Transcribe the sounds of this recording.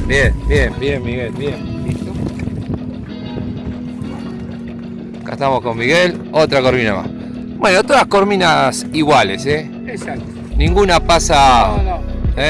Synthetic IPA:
bjenbjembjemmiɣelbjenit̪o | ka̰ht̪amosko̞mːiɣel | ot̪ɾakoɾmĩna̰ma̰s | bwe̞not̪oðaskoɾmĩnasiɣwalese | esak̚t̪o | nĩŋɡunapasa | e

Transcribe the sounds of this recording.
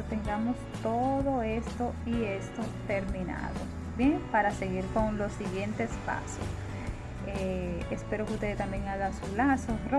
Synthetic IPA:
t̪e̞ŋɡamo̞st̪o̞ðo̞e̞st̪o̞iest̪o̞t̪e̞ɾmĩna̰ðo̞̰ | bje̞ŋpaɾase̞ɣiɾko̞ŋlo̞siɣje̞nt̪e̞spa̰so̰s | eespe̞ɾokeust̪e̞ðet̪ambje̞ŋaɣasulasoro

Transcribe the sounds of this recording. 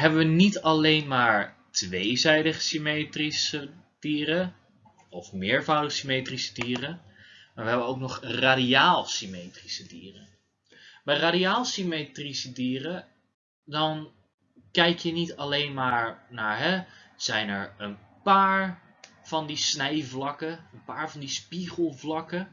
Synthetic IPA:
ɦɛbəʋənitɑlejnmaːɹtʋejzɛjdəχə̥simejtrisə | d̥iːrə | ɔfmɪːɹvɑwdəχəsimejtrisə̥diːrə | maːɹʋəɦɛbənowknɔχraːdiaːlˠsimejtrisədḭːrə | bɛjraːdiaːlˠsimejtrisədiːrə | dɑn | kɛjkjənitalejnmaːɹnaːɹɦɛz̥ɛjnɛɹən | paːɹ | v̥ɑndisnɛjvlɑkəənpaːɹvɑndispiχəlˠvlɑkə

